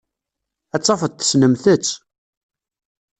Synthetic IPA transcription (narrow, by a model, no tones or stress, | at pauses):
æt͡sːɑfəd̪θə̥snəmθət͡sː